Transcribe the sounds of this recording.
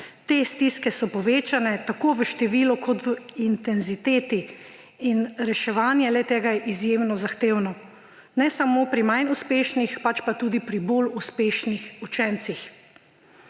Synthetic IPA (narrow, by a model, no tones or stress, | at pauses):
t̪est̪iskɛsɔpɔʋeːt͡ʃanɛt̪akoːʋəʃt̪ɛʋilɔkʰɔt̪ʋəint̪ɛnzit̪eːt̪i | inɾɛʃɛʋaːnjɛlɛt̪eːɡajɛʔizjemnɔzaxt̪eːwnɔ | nɛsamoːpɾimajnuspeːʃnixpat͡ʃpat̪uːd̪ipɾiboːluspeʃnixut͡ʃɛnt̪six